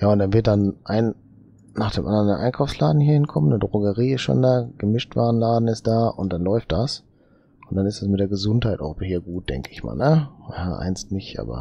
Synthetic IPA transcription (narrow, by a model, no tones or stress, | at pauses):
jaːʊntd̥anvɪɐtd̥anʔaɪn | naːχd̥eːmʔandɐndeʔaɪnkʰaʊfslaːdn̩hiːɐhɪnkʰɔmənədʁoɡəʁiːɪstʃo̰ːndaːɡ̥əmɪʃtv̥aːʁən̩laːdn̩ɪstd̥aːʔʊnt̚d̥anlɔʏft̚d̥as | ʔʊnt̚d̥anɪstd̥asmɪtd̥eːɐɡəzʊnthaɪtaʊxbhiːɐɡuːt̚d̥ɛ̰ŋkəɪçma̰ːlnəjaːʔa̰ɪnstnɪçʔa̰ːbɐ̰